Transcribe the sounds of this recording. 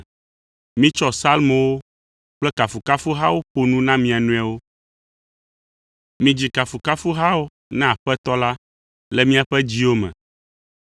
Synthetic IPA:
mĩ˦t͡ʃɔ˦sa˦lmõ˨wo˦ | k͡plɛ˦ka˨fu˨ka˦fu˦ɦa˦wo˦ɸo˦nũ˦nã˦mĩ˦a˨nũ˦a˨wo˦ | mĩ˦d͡ʑi˦ka˨fu˨ka˦fu˦ɦa˦wo˦ | nã˦˨a˨ɸɛ˦t̪ɔ˦la˦ | lɛ˦mĩ˦a˨ɸɛ˦d͡ʑi˦wo˦mɛ̰̃˨

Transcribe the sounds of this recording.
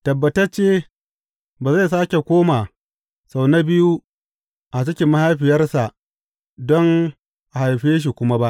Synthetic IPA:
tɐ˨bːɐ˨tɐ˦t͡ʃeː˦ | baː˨za˦˨jsaː˦kʲe˨kʷoː˦ma˨ | sa˨wna˦bɪ˦ju˦ | ʔa˨t͡ʃɪ˦kʲɪ˨˦mːa˦ha˦jɸɪ˨jɐ˦rsa˨ʔ | dɔ˦ŋ | ʔa˨ha˨jɸeː˦ʃ̬i˨kʷʊ˦ma˦ba˦ʔ

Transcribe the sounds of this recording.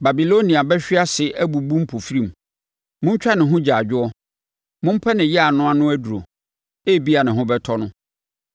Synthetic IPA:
ba˨bi˨lo˦nĩ˨a˨bɛ˦ɕᶣɪ˦a˦sɪ˨ʔæ˦bu˨bũ˦m̩˦pʰo˨fɾĩ˨m˨ | mʊ̃˦ɲ˦t͡ɕᶣa˦nɪ̃˨ɦʊ̃˦d͡ʑa˨d͡ʑᶣʊ˦ɔ˦ | mʊ̃˦m̩˦pʰɛ˦nɪ̃˨jɛ˦a˨nʊ̃˦a˦nʊ̃˦æ˦du˨ɾo̰˨ | eː˦˨bi˦a˨nɪ̃˨ɦʊ̃˦bɛ˦tʰɔ˦nʊ̃˦

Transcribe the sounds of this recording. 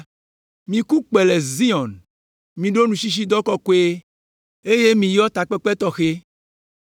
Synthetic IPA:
mĩ˨ku˦k͡pe˨le˨zi˦ɔ̃˨n | mĩ˨ɖo˦nũ˨ʃi˦ʃ̬i˦d̪ɔ˦kɔ˦ko˦e˦ | e˦je˦mĩ˨jɔ˦t̪a˨k͡pɛ˦k͡pɛ˦t̪ɔ˦xe˦

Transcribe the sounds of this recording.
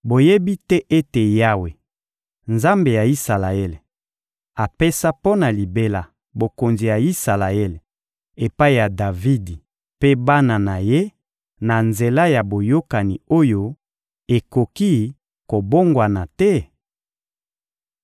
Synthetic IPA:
bo˨je˦bi˦tɛ˦ʔe˦te˨ja˦we˨ | nza˦mbe˨ja˨i˦sa˨la˨e˦le˨ | a˨pe˦sa˦po˦na˨li˨be˦la˨ | bo˨ko˨nzi˨ja˨i˦sa˨la˨e˦le˨ | e˨pa˦i˨ja˨da˨vi˦di˨ | pe˦ba˦na˨na˨je˦ | na˨nze˨la˦ja˨bo˨jo˦ka˨ni˨o˦jo˦ | e˨ko˨ki˦ | ko˨bo˦ŋɡwa˨na˨tɛ˦

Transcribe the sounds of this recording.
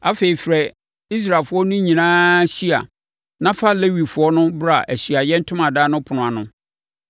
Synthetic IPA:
a˨fe˨i˨fɾɛ˨ | i˦s̬ɾa˨lfʊ˦ɔ˦nʊ̃˦ɲĩ˨nãː˦ɕi˦a̰˨ | nã˦fa˦le˦wi˨fʊ˨˦ɔ˦nʊ̃˦bɾa˨ʔæ˨ɕi˨a˨jɛ˦n̩˦tʰʊ̃˦mã˨daː˦nʊ̃˦pʰʊ˨nʊ̃˨a˨nʊ̃˦

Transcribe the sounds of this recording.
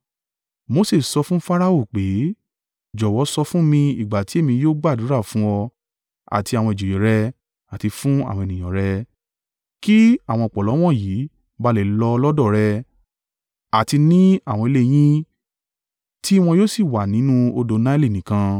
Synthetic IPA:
mo˧se˦˨sɔ˧fũ˦fa˦ɾa˦o˦˨k͡pe˨˦ | d͡ʒɔ˨wɔ˨˦sɔ˧fũ˦mĩ˧i˨ɡ͡ba˨ti˨˦e˦˨mĩ˧joː˦ɡ͡ba˦˨du˨˦ɾa˦˨fũ˦ɔ˧ | a̰˨ti˧a˨w̃ɔ̃˧e˨d͡ʒo˨jĩ˨ɾɛ˧ | a˨ti˧fũ˦a̰˦˨w̃ɔ̃˧e˨nĩ˨j̃ɔ̃˨ɾɛ˧ | ki˦a˦˨w̃ɔ̃˧ɔ˨k͡pɔ˨lɔ˨˦w̃ɔ̃˦˨jiː˨˦ | ba˧le˨lɔ˧lɔ˦dɔ˦˨ɾɛ˧ | a˨ti˧nĩ˦a˦˨w̃ɔ̃˧i˧le˦˧j̃ĩ˦ | ti˦w̃ɔ̃˧joː˦si˦˨wa˨nĩ˨˦nũ˦o˧do˧nã˦li˦˨nĩ˨kã˧

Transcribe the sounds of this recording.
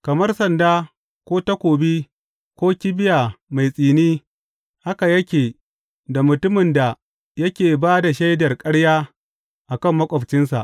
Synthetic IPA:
kɐ˨mɐ˦rsɐ˨ndaː˦ | kʷoː˦tɐ˦kʷoː˨bi˦ | kʷoː˦kʲi˦bɪ˦jaː˨ma˨jsʼiː˨niː˦ | ha˦ka˨jɐ˦kʲeː˨ | da˨mʊ˨tʊ˦mɪ˨nda˨ | jɐ˦kʲeː˨baː˦da˨ʃa˦jdɐ˨rkʼɐ˦ɽjaː˦ | ʔa˨kɐ˦˨mːɐ˦kʷʼɐ˨ɸt͡ʃɪ˦nsa̰˨ʔ

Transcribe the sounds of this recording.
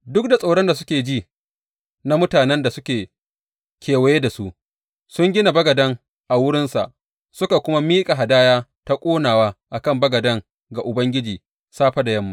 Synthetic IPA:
dʊ˦k̚da˨sʼa˨ɽɐ˦nda˨sʊ˦kʲeː˨d͡ʒiː˦ | na˦mʊ˦taː˨nɛ˦nda˨sʊ˦kʲeː˨ | kʰʲeː˨wɐ˨jeː˦da˨su˦ʔ | sʊ˦ŋɡʲɪ˦na˨bɐ˦ɡɐ˨dɐ˦ŋ | ʔa˨wʊ˦ɽɪ˦nsa̰˨ʔ | sʊ˦ka˨kʷʊ˦ma˦miː˦kʼa˨ɦa˨daː˦jaː˦ta˦kʷʼoː˦naː˨waː˦ʔa˨kɐ˦˨mbɐ˦ɡɐ˨dɐ˦ŋ | ɡa˨ʔʊ˨bɐ˦ŋɡʲɪ˦d͡ʒiː˨ | saː˦ɸa˦da˨jɐ˦mːa˦

